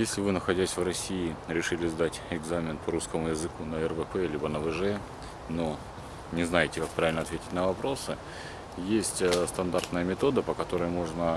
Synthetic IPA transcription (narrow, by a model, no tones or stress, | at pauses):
jesʲlʲɪvɨnəxɐdʲæsʲvrɐsʲiɪɾʲɪʂɨlʲɪzd̪atʲɪɡzamʲɪnpəɾuskəmʊjɪzɨkunəɛrvəpɛlʲibənəvɨʐɛ | no | nʲɪznajɪtʲɪkak̚pɾavɪlʲnɐt̪vʲetʲɪ̥tʲnəvɐpɾo̞sɨ | jesʲtʲst̪ɐnd̪art̪nəjəmʲɪt̪o̞d̪əpəkɐt̪o̞ɾəjmo̞ʐnə